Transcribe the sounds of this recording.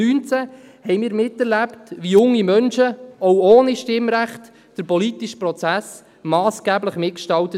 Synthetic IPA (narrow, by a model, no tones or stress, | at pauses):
yːnt͡sæ | hɛjmiːɾmɪtːɛɾlæptʋijʊŋːimœnʃəɔwoːniʃtɪmɾæχt | d̥əɾpɔlitiʃpɾɔt͡sæs | mɑːsɡ̥æːbləχmɪt̚kʃtɑwtə